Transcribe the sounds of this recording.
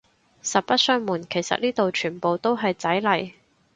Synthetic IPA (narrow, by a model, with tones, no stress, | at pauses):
sɐ˨t̚pɐ˥t̚sœː˥ŋmuː˨˩nkʰe˨˩jsɐ̰˨t̚niː˥t̪o˨wt͡ʃʰyː˨˩npo˨˧wt̪o˥wɦɐ˨jt͡sɐ˨˥jlɐ˨˩j